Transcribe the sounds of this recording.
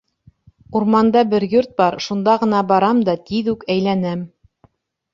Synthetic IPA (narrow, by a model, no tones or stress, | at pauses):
uɾmɑnd̪ɑbɘɾjuɾt̪̚bɑɾʃund̪ɑʁɤ̆nɑbɑɾɑmd̪ɑt̪iðʉkæjlænæm